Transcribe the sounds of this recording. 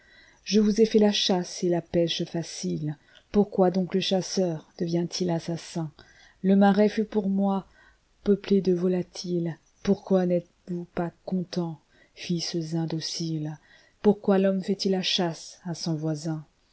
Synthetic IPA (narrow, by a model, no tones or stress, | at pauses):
ʒəvuzɛfɛlaʃaselapɛʃfasil | puʁkwad̪ɔ̃kləʃasœʁd̪̥əvjɛ̃t̪ʰilasasɛ̃ | ləmaʁɛfypuʁmwa | pəpled̪əvɔlat̪ʰil | puʁkwanɛt̪ | vupakɔ̃t̪ɑ̃ | fisəzɛ̃d̪osil | puʁkwalɔmfɛt̪ilːaʃasasɔ̃vwazɛ̃